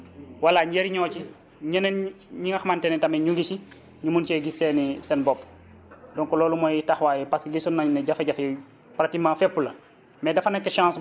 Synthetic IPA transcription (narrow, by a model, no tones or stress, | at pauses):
walaɲɟeɾiɲɔːci | ɲɐnen | ɲiŋɐxmantɛnɛtɐmeɲuŋɡisi | ɲumunt͡ʃɛɡisɛnisɛnbɔpː | dɔŋkɔlɔːlumɔjtaxwaːjɛpasiɡisɔnːaɲnɛɟafɐɟafɛ | pɾatikmãːfɛpːulɐ | mɛdɐfɐnɐkːʃãːs